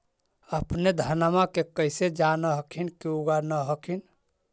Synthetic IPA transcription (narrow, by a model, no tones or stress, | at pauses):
əpned̪ʱənmakekəɪsed͡ʒanəɦəkʰinkiuɡanəɦəkʰin